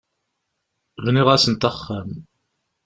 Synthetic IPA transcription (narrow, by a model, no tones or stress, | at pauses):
vniʁæsənt̪æχːæm